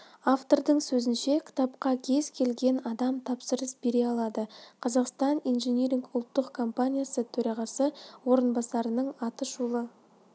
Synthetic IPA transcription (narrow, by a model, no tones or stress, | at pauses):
aft̪o̞ɾd̪əɴsɵzɪnʃe̞kʲʰɪ̥t̪ɑpqɑkʲʰe̞zkʲʰe̞lɡʲe̞nɑd̪ɑmt̪ʰɑpsəɾəsbe̞ɾe̞ɑlˠɑd̪əqʰɑzɑqst̪ɑnijnʒenʲeɾʲiŋkʊlˠt̪ːəqkʰo̞mpanʲijasət̪ʰɵɾɑʁɑsəwo̞ɾənbɑsɑɾənəɴɑt̪əʃulˠə